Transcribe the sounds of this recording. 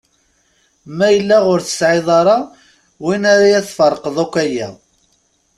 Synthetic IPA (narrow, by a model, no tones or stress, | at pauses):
mæjəlːæʁʊɾθə̥sʕɪðˤɑɾˤɑ | winaɾajæθfərˤːəqəðˤækʷːæjæ̰